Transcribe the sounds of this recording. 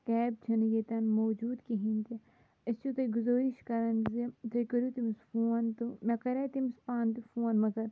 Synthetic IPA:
kɛːb̚t͡ʃʰɐnjet̪ɐnmoːd͡ʒuːd̪kiɦĩnʲt̪i | ɐst͡ʃut̪ɐɡʊzoːɾiʃkɐɾɐnzit̪ɐkɐɾuːt̪imsfoːnt̪umekɐɾet̪imspaːnt̪ifoːnmɐɡɐɾ

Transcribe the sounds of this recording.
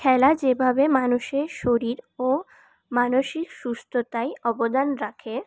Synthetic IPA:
kʰɛlad͡ʑebʱabemanuʃeɾʃoɾiɾo | manoʃikʃust̪ʰot̪ajɔbod̪anɾakʰe

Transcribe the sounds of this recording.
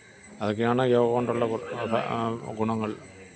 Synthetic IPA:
ɐðok̬ːejaːɳɨjoːɣɐoɳɖuɭːɐbɐ̰ɡuɳɐŋːɐɭ

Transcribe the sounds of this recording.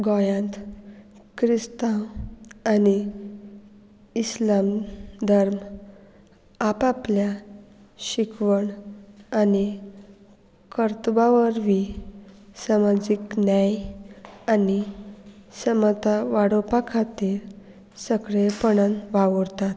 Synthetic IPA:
ɡɔjãnt̪ | kɾist̪ãwani | slamd̪ʱəɾm | apaplja | ɕikʋəɳani | kəɾt̪baʋəɾʋi | samad͡ʑiknjaj | ani | səmət̪aʋaɽopakʰat̪iːɾ | səɡɭepəɳanʋaʋəɾt̪at̪

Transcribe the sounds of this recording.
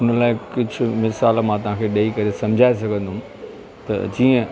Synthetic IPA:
ʊnlaːɪkʊd͡ʑʱʊ̆mɪsaːlmãːt̪ɐʋ̤ãkʰeːɗɐikɐɾesɐ̃m̤d͡ʑʱaːesɐɡʱə̃nd̪ʱʊʊm | t̪ɐ̰d͡ʑiːə̃

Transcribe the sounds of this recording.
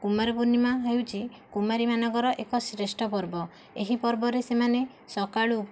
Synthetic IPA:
kumaɾɔpunimaɦewt͡ʃʰi | kumaɾimanɔɡɔɾɔʔekɔsɾesʈɔp̬ɔɾbɔ | eɦipɔɾbɔɾesemane | sɔkaɭu

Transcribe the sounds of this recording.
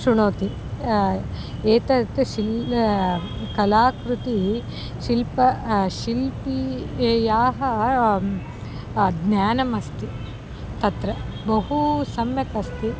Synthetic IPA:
ʃuɳoːt̪i | eːt̪ɐt̪uʃil | kɐlaːkɾut̪i | ʃilpɐʃilpieːjaːɦɐ | d̪njaːnɐmɐst̪i | t̪ɐt̪ɾɐ | bɐɦusɐmjɐkɐst̪i

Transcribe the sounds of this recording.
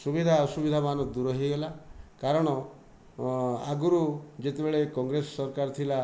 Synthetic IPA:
subid̪ʱaɔsubid̪ʱamanɔd̪uɾɔɦiɡelakaɾɔɽ̃ɔ | a̰ɡuɾud͡ʒet̪ebeɭekɔŋɡɾesɔsɔɾkaɾɔt̪ʰila

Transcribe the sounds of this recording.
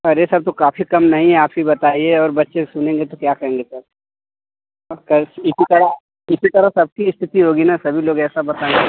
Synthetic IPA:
ɔɾesɐɾt̪okaːfikɐmnɐɦĩɦɛaːpɦibɐt̪aːieɔːɾbɐtːʃesʊnẽːŋɡet̪okjaːkɐɦẽːŋɡesɐɾ | kɐɪsit̪ɐɾa | ɪsit̪ɐɾasɐb̚kiɪst̪ʰɪt̪iɦoːɡinasɐbʱiloːɡɛːsabɐt̪ã

